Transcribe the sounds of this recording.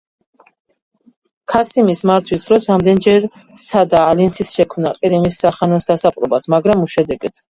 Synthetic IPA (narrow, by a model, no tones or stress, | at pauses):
kʰasimismaɾt̪ʰwisd̪ɾɔsɾamd̪ɛnd͡ʒɛɾsad̪aːlinsisʃɛkʰmnaqʼiɾimisːaχanɔsd̪asapʼɾɔbat̪ʰmaɡɾamuʃɛd̪ɛɡɛt̪ʰ